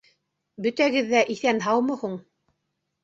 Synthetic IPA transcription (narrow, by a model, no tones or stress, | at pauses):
bɵ̆t̪æɡɘðːæʔiθænɦɑwmɤ̆huɴ